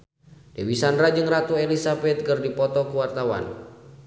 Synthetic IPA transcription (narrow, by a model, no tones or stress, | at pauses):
dewisanɾad͡ʒɨŋrat̪uɛlisabɛt̪̚kərdipɔt̪ɔkuwart̪awa̰n